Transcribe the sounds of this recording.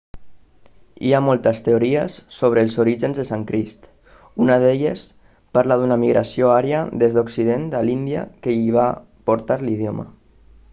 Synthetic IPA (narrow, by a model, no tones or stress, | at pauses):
ḭamolˠt̪əst̪eoɾiəsːoβ̞ɾəːlˠzoɾiʒənzðəsaŋkɾist̪ | unəðeʎəs | paɾlaðunəmiɣɾʔa̰sioaɾjəðezðoksiðent̪alind̪ia̰kəiβ̞a | poɾt̪aɾlið̞jomə̰